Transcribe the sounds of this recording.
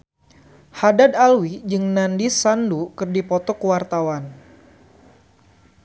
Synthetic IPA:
hadadalwid͡ʒɨŋnandisandukɨrdipɔt̪ɔkəwart̪awan

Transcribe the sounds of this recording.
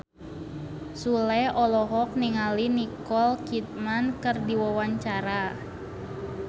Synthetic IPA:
sulɛɔlɔɦɔk̚niŋalinikɔlkit̪̚mankɨrdiwawaɲt͡ʃaɾa

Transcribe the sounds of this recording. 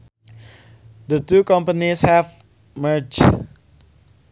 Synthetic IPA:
dətukʌ̃mpənishɛv | mə˞d͡ʒ

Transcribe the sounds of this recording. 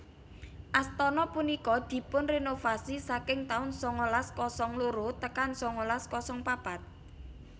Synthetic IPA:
ʔast̪ɔnɔpunikɔd̪̥i̤pʊnrenofasisakɪŋt̪aʊnsɔŋolaskɔsɔŋloɾot̪əkansɔŋolaskɔsɔŋpab̥a̤t̪̚

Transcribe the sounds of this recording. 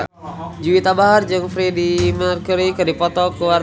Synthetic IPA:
d͡ʒuwit̪abaɦard͡ʒɨŋfɾidimərkuɾikɨdipɔt̪ɔkəwa

